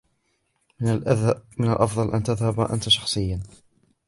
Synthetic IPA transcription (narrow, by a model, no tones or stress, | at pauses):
mɪnalʔɑfðˤɑlʔa̰nt̪aðhabʔa̰nt̪aʃɑ̥xsˤɨjːan